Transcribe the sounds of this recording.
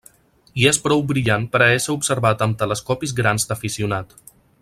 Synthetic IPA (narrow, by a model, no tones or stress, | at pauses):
iespɾɔwbɾiʎanpəɾəɛsəupsəɾβat̪əmt̪ələskɔpizɣɾanzd̪əfisiunat̪